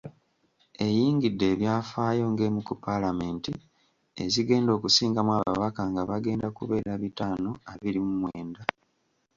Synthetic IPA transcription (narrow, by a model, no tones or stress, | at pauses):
e̞jiːŋɡidːe̞ːβjaːfaːjo̞ŋɡemukupalame̞ːnti | ḛziɡe̞ːndo̞ːkusiːŋɡamwaβa̰βakaŋɡaβaɡe̞ːndakṵβe̞ːɾaβitaːno̞aβiɾimumweːnda